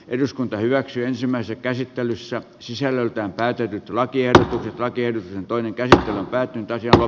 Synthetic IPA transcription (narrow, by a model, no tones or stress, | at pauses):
ʔeduskunt̪ɑhyʋæksyːensimːˑæˑisesːækæsit̪ːelysːæ | sisælːølt̪æːmpæːt̪et̪yt̪lɑkiehdot̪ukset̪lɑkiehdot̪uksent̪oineŋkæsit̪ːelømpæːt̪ːˑynt̪ɑsjɑlo